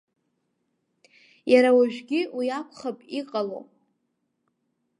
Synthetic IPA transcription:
jaɾawaʒᶣɡʲɪwiakʷʰʼχapʼiqʼalo̰

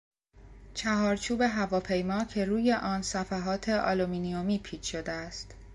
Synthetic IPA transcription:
t͡ʃʰæɦɒːɾt͡ʃʰuːbe̞ɦævɒːpʰe̞jmɒːcʰe̞ɾuːje̞ʔɒːnsæfæɦɒːt̪ʰe̞ʔɒ̰lominiomiːpʰiːt͡ʃʰʃo̞d̪eæst̪

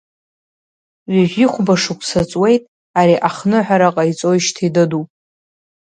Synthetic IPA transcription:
ɥʷiʒʲʷᶣiχʷbaʂukʷʰʼsat͡sʼwe̞jtʼ | aɾiʔaχnɨħʷᶣaɾaqʼajt͡sʼo̞jʃtʰidɨdupʼ

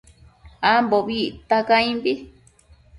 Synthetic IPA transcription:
amboβiʔt̪akaĩmbi

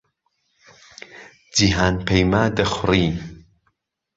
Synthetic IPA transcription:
d͡ʒiɦaːnpʰejmaːd̪ɐxʊriː

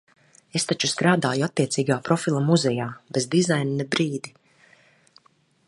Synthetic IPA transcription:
e̞st̪at͡ʃuskɾaːd̪aːjuat̪ːiɛt̪siːɡaːpɾɔfilˠamuzɛjaːbezd̪izajniːɛbɾiːd̪i

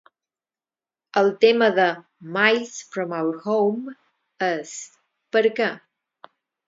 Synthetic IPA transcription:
əlˠt̪eməðə | majlsfɾɔmawɾhowm | əs | pəɾkə

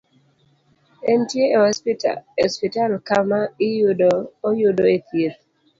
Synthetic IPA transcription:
ɛntieehɔspita̰ɔspitalkamaijudɔːjudoet̪ʰiɾ

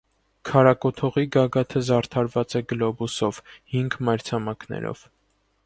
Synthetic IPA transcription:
kʰɑɾɑkɔt̪ʰɔʁiɡɑɡɑt̪ʰəzɑrt̪ʰɑɾvɑt͡sɛɡəlɔbusɔvhiŋɡmɑjɾt͡sʰɑmɑknɛ̰ɾɔ̰v̥

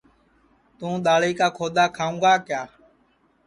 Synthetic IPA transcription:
t̪ũːɗ̪aːɭeːkaːkʰoːd̪aːkʰaːũːɡaːkjaː

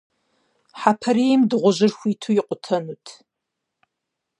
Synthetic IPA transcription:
ħapʰɐɾeːjmdɨʁʷʊʑɪrxʷiːtʰujɪqʷʼʊtʰɐnutʰ

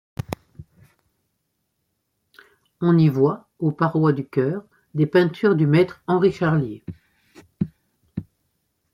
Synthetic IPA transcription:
ɔ̃nivwa | opaʁwad̪ykʲœːʁ | d̪epɛ̃t̪ʰyʁd̪ymɛt̪χɑ̃ʁiʃaʁlje

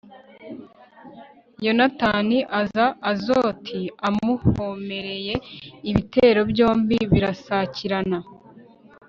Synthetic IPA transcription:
jo̞nataniʔazaʔːzo̞tʰiamuhome̞ɾe̞je̞iβite̞ːɾo̞bjo̞ːmbiβiɾasaːciɾana

